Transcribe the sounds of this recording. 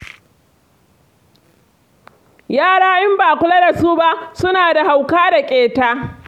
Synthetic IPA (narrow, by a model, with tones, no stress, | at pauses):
jaː˦˨ɽaː˦ʔɪ˦mbaː˨kʷʊ˦lɐ˦da˨su˦ba˦ʔsʊ˦naː˨da˨ha˨wkaː˦da˨kʲʼeː˨taː˦